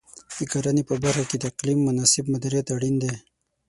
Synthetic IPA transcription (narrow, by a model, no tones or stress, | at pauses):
d̪̥əkaɾanepəbaɾxaked̪əɪqlimːʊnasɪbmad̪aɾijat̪aɽind̪e